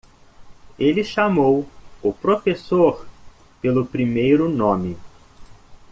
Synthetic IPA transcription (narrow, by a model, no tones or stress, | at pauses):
elɪʃamowʊpɾofesoɾ | pelʊpɾimejɾʊnõmɪ